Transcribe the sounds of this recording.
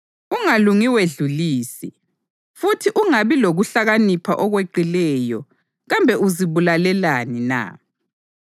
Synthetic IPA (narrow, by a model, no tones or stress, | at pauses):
uŋaluŋiweɮuliːsi | futʰiʔuŋaβiloɣuɬaɣanipʰaʔɔɣweǃilɛjɔ | ɣambʱɛuziβulalɛlanina̰